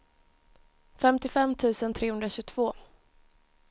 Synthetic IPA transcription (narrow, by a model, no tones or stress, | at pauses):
fɛmt̪ɪfɛmt̪ʰʉ̟ːsənt̪ʰɾeːhɵnd̪ɾaɕɵɡt̪ʰv̥oː